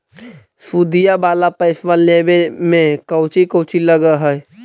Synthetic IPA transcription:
suːd̪ijabaːlapəɪsʋaleːbemẽkəʊt͡ʃikəʊt͡ʃiləɡəɦɛɛ

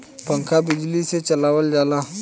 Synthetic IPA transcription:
paŋkabid͡ʒiliset͡ʃalawald͡ʒala

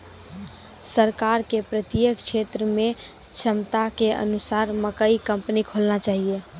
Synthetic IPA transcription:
səɾkaːɾkepɾət̪jəkʃʰeːt̪ɾəmẽt͡ʃʰəmt̪akeʔə̰nʊsaːɾməkəikə̃mpnikʰolnat͡ʃaːɦie

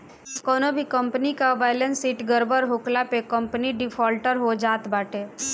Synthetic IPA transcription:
kɔːnobʱikə̃mpnikabaɪlənsiːʈɡəɾbəɾɦoːklapekə̃mpniɖɪpʰɔːlʈəɾɦod͡ʒaːt̪baːʈe

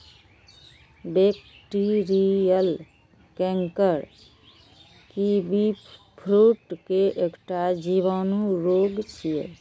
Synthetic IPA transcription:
beːk | ʈiɾijəl | kɛ̃ŋkəɾ | kibi | pʰɾuːʈkeʔekʈad͡ʒiʋaːnuɾoːɡt͡ʃʰiḛ

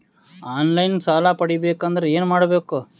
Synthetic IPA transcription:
aːnlɐjnsaːlaːpɐɽibeːkɐnd̪ɐɾeeːnmaːɽɐbeːku

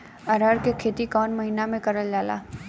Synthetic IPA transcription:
ɐɾaːɾkekʰeːt̪ikɔːnmɐɦiːnamẽkɐɾəld͡ʒaːla̰ː

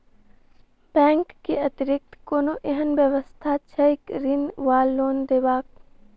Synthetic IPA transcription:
b̥ɛ̃ːŋkːiɐt̪ɾɪk̚t̪koːnoʔeɦənʋjəʋəst̪ʰat͡ʃʰɐɪkɾɪnʋaːlːoːnd̪eːʋaːk̚

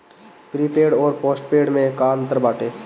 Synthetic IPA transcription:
pɾiːpeːɽɔːɾpɔːsʈpeːɽmẽkaːnt̪əɾbaːʈeː

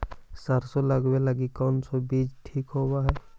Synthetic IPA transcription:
saɾsoləɡbelaɡikansɔbid͡ʒʈʰiːkɦobaɦɛː

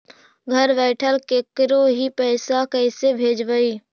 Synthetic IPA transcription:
ɡʱəɾbɛːʈʰəlkekɾoɦipɛːsakɛɪsebʱeːd͡ʒbəiː

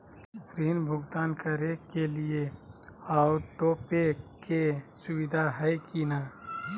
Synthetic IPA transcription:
ɾiːnbʱʊɡt̪aːnkəɾekelie | aʊɾʈoːpekesʊwɪd̪ʱaɦɛjkina

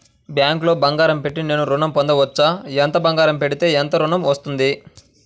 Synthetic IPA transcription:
bjaːŋklo̞ːbɐŋɡaːɾɐmpe̞ʈːine̞ːnuɾuɳɐmpɔnd̪ɐʋɐt͡ʃːaːɛnt̪ɐbɐŋɡaːɾɐmpe̞ɽit̪e̞ːɛnt̪ɐɾuɳɐmʋɐst̪und̪i

